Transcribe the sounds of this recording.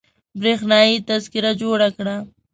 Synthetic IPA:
bɾexnɑːjit̪azkɪɾad͡ʒoɽakɽa

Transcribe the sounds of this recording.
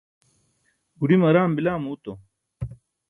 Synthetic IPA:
ɡuɽimɐɾaːmbilaːmuːt̪o

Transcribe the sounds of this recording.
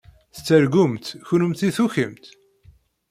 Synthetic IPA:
θt͡sːəɾɡʊmt̪çunəmt̪iθuçəmt̪

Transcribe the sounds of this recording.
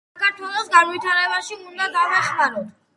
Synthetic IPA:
akaɾt̪ʰwɛlˠɔsɡanwit̪ʰaɾɛbaʃiund̪aɡ̪avaχmaɾɔt̪ʰ

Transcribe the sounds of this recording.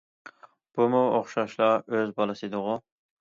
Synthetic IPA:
b̥umuoχʃɑʃlˠɑøzbɑlˠɨsɨd̪ʊʁʊ

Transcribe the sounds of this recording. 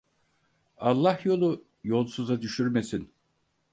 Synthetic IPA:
ɑlˠːahjo̞lˠu | jo̞lˠsuzad̪yʃyɾme̞sin

